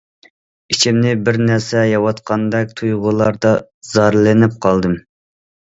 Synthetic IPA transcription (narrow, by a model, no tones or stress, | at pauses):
it͡ʃʰɪmnɪbɪɾnæɾsɛjɑwɑt̪qʰɑnd̪ɛk̚ʲt̪ʰujʁʊlˠɑɾd̪ɑz̥ɑɾlɪnɪp̚qʰɑlˠd̪ɨm